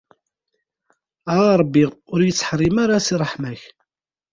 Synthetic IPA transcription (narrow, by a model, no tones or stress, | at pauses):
aʁɾˤəbːiʁʊɾjət͡sːħɾˤimaɾasirˤːəħmæç